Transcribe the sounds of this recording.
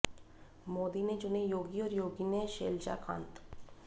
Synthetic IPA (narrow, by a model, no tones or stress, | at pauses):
mod̪ined͡ʒʊnejoːɡioːɾjoːɡineʃelt͡ʃa̰kʰã̰ːnt̪